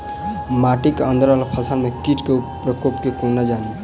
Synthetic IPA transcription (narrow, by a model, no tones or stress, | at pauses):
maʈikənd̪ʱəɾalpʰəsalmekiʈkepɾəkopkekunad͡ʒani